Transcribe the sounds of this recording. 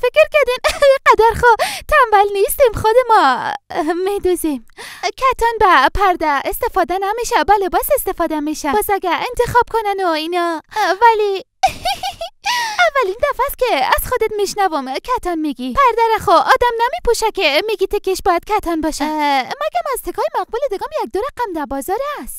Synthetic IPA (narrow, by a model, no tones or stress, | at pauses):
fekɾkæɾd̪injeqæd̪æɾχot̪ʰæmvælnist̪imxod̪emɒ | med̪ozimkʰæt̪ʰɒnbæpʰæɾd̪æest̪efɒːd̪ænæmiʃæbælebɒsest̪efɒːd̪æmiʃæbzæɡæent̪ʰexɒːb̥̚kʰonænoinɒvæli | ævːælind̪æfæst̪̚kʲeæz̥xod̪et̪miʃnævomkʰæt̪ʰɒnmiɡipʰæɾd̪æɾæxoʔɒːd̪æmnæmipʰuʃækʲemiɡit̪ʰekeʃbɒːjæd̪̥̚kʲʰæt̪ʰɒnbɒːʃimæɡæmæzt̪ʰekʰɒːjemæʁ̚buled̪eɡɑmjæk̚d̪oɾæqæmd̪æɾbɒːzɒːɾæst̪